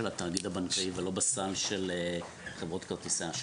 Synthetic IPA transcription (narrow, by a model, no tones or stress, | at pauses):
elat̪aːɡid̪abankaivelo̞basalʃele | χevʁot̪kaʁt̪iseaʃ